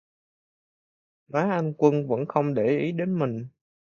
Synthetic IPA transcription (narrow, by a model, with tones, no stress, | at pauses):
maː˨˦ʔa˧jŋ̟kwə˧nvə̰˧˥nxə˧wŋ͡mɗe˧˩ʔi˨˦ɗe˨˦nmï˨˩ŋ̟